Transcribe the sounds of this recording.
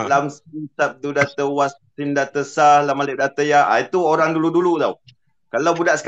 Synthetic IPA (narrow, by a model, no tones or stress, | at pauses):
lamsisap̚d̪udat̪əwastimdat̪əsalamalɪʔ̚dat̪əjaa̰it̪uoɾaŋduludulut̪aw | kalawbudaʔsə̥k